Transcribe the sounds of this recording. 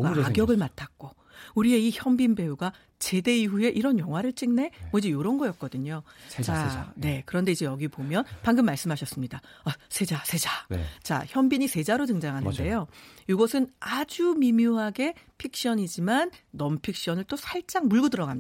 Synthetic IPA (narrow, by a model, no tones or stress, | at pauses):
aɡjʌɡɯɭmatʰak̚k͈o | uɾie̞içjʌmbinbe̞uɡa | t͡ɕe̞de̞iɸue̞ʔiɾʌnjʌŋɦwaɾɯɭt͡ɕ͈iŋne̞wʌid͡ʑejoɾʌnɡʌjʌt̚k̚k͈ʌdɯɲot͡ɕane̞kɯɾʌnde̞id͡ʑe̞jʌɡipomjʌnpaŋɡɯmːaɭs͈ɯmɦaɕʰʌs͈ɯmɲidaasʰe̞d͡ʑasʰe̞d͡ʑa̰t͡ɕa̰çjʌmbiɲisʰe̞d͡ʑaɾotɯŋd͡ʑaŋɦanɯnde̞joiɡʌsʰɯnad͡ʑumimjuɦaɡe̞pʰik̚ɕ͈ʌɲid͡ʑimanːʌmpʰik̚ɕ͈ʌnɯɭt͈osʰaɭt͡ɕ͈aŋmuɭɡɯdɯɾʌɡami